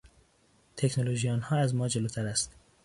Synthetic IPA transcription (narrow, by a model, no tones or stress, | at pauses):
t̪ʰeknoloʒijɒːnhɒːæzmɒːd͡ʒelot̪ʰæɾæst̪